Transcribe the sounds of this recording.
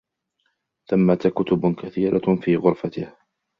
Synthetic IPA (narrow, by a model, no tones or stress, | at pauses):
θamːat̪kʊt̪ʊbkaθiːɾʔafiːɣʊɾfat̪ɪh